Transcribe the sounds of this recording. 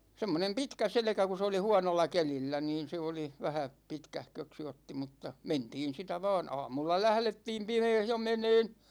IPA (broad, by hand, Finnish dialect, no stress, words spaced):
semːonem pitkæ selĕkæ ku s oli huɑnolːɑ kelilːæ niːn̞ se oli ʋæhæ pitkæhkøksi otːi mutːɑ mentiːn sitæ ʋɑːn ɑːmulːɑ læhletːiːm pimeːh jo meneːn